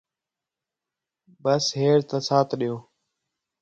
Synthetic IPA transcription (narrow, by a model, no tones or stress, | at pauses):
bəsɦeːɾt̪əsaːt̪ʰɗijoː